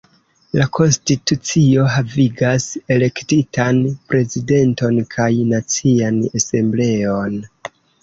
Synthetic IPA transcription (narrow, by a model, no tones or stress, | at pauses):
lakʰo̞nstitut͡sio̞ɦaviɡase̞le̞ktitanpɾe̞zide̞nto̞nkʰajnat͡sianese̞mble̞o̞n